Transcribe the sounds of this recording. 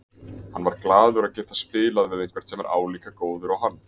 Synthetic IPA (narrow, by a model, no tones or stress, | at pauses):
hanːvaɾklaːðʏɾaðcɛːt̪ḁspɪːlaðvɪðejŋ̥kvɛɾ̥t̪ɛmɛɾʔa̰ːwliːkakoːwðʏɾawɦanː